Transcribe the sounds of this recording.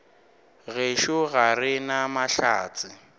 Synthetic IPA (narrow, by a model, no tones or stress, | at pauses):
ɣeʃʊɣarɪnamaɬa̰ːt͡sʼɪ